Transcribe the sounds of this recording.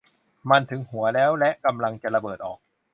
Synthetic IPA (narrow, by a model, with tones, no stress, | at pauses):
ma˧nt̪ʰɯ˩˦ŋhu˩˦ɐlɛː˦˥wlɛ˦˥ʔka˧mla˧ŋt͡ɕa˨˩ɾa˧bɤː˨˩t̪̚ʔɔ̰ː˨˩k̚